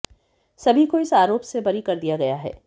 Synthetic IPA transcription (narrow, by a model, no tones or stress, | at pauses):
sɐbʱikoɪsaːɾoːpsebɐɾikɐɾd̪ijaɡɐjaɦɛ̰ː